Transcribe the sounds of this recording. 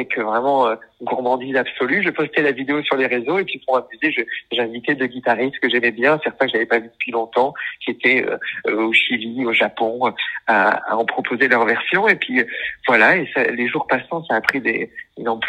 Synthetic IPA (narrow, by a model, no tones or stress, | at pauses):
ɛkvʁɛmɑ̃ønɡuʁmɑ̃d̪izabsɔlyʒəpɔst̪ɛlavid̪eosyʁleʁezoepɥipuʁmamyzeʒəʒɛ̃vit̪ɛd̪əɡʲit̪aʁist̪kəʒɛmɛbjɛ̃sɛʁt̪ɛ̃kəʒavɛpavyd̪əpɥilɔ̃t̪ɑ̃kʲiet̪ʰɛø̰øoʃilioʒapɔ̃øaa̰ɑ̃pχɔpʰozelœʁvɛʁsjɔ̃epɥiøvwalaesaleʒuʁpasɑ̃saːpχid̪eynɑ̃p